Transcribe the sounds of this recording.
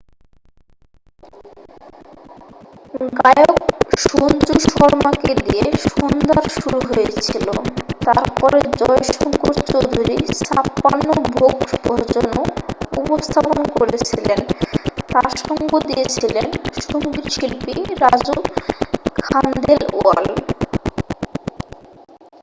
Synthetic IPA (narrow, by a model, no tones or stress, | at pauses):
ɡajokʃunt͡ɕuʃɔɾmaked̪ieʃond̪aɾʃuɾuɦojet͡ɕʰilo̰t̪a̰ɾpɔɾed͡ʑɔeʃɔŋkoɾt͡ɕod̪ʱuɾisapːanːobʱokbʱɔɾd͡ʑonoṵpost̪ʰapoonkoɾet͡ɕʰilent̪aɾʃɔŋɡod̪ijet͡ɕʰilenʃoŋɡiɾʃilpiɾad͡ʑu | kʰanɖ̪elo̰all